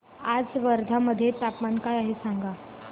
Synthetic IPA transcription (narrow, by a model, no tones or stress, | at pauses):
ad͡zʋəɾd̪ʱaməd̪ʱːjet̪apmankajaɦesaŋɡa